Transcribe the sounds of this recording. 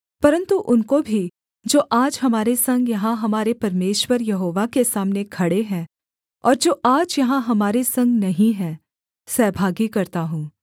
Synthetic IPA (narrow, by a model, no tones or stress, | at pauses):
pɐɾə̃nt̪uʔʊnkobʱi | d͡ʒoːʔaːd͡ʒɦɐmaːɾesɐ̃ŋɡjɐɦãɦɐmaːɾepɐɾmeːʃwəɾjɐɦoːʋakesaːmnekʰɐɽeɦɛ̃ː | ɔːɾd͡ʒoːʔaːd͡ʒjɐɦãɦɐmaːɾesɐ̃ŋɡnɐɦĩɦɛ̃ː | sɛːbʱaːɡikɐɾt̪aɦũː